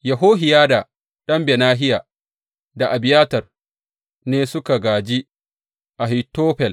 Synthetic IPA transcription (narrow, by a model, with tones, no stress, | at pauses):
jɐ˨ɦoː˦ɦɪ˨jaː˦da˨ | ɗɐ˦mbɛ˨naː˦ɦɪ˦jaː˨ | da˨ʔa˨bɪ˨jaː˦tɐ˨r | neː˦sʊ˦ka˨ɡaː˨d͡ʒi˦ | ʔa˨ɦɪ˨tːoː˦ɸɛ˨l